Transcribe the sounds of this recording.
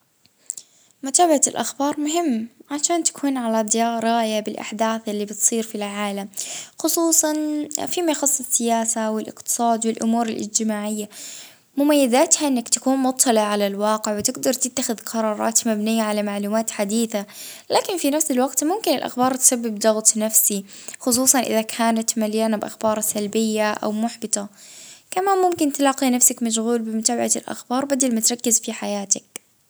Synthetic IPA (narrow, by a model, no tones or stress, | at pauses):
mʊt̪aːbahaɪlʔaxbɑːɾˤmʊɦɪmːʕaʃaːnt̪ḁkʰuːnʕalad̪jɑːɾˤɑːjabɪlʔa̰ħd̪aːθʔɪlːibɪt̪sˤiːɾfilʕaːlamxʊsˤuːsˤɑnfiːmajxɑsˤːɪsːɪjaːsawɪlʔɪ̰qt̪ɨ̥sˤɑːd̪wɪlʔʊmuːɾɪlʔɪ̰d͡ʒt̪ɪmaːʕɪjːa | mʊmajːɪd̪aːt̪haʔɪnːakt̪ḁkuːnmʊt̪ˤʰːɑlɪʕʕalalwɑːqɪʕwɪt̪ɪɡd̪ɑɾˤt̪ɪt̪ːaxɪðqʰɑɾˤɑːɾˤɑ̰ːt̪mabnɪjːaʕalamaʕluːmaːt̪ħad̪iːθa | laːkɪnfinafsalwaɡt̪mʊmkɪnɪlʔa̰xbɑːɾˤt̪ɪ̥sabːɪbd̪ɑɣt̪ˤnafsixʊs̬ˤuːsˤɑnʔɪ̰ðakʰaːnat̪maljaːnabʔaxbɑːɾˤsalbɪjːaʔa̰wmʊħbɪt̪ˤɑkamaːnmʊmkɪnt̪alɑːqinafsakmaʃɣuːlbɪmʊt̪aːbaʕat̪lʔa̰xbɑːɾˤbad̪almat̪ɾˤɑkːɪzfiħajaːt̪ak̚